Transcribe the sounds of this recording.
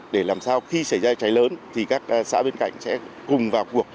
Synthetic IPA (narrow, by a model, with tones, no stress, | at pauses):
ɗe˧˩laː˨˩msaː˧wxi˧sa˧˩jzaː˧t͡ɕa˨˦jləː˨˦nt̪ʰi˨˩kaː˦˥k̚ːsa̰ː˧˥ɓe˧nka̰˧˨jŋ̟sɛ̰˧˥kʊ˨˩ŋ͡mvaː˨˩wku˨˩ək̚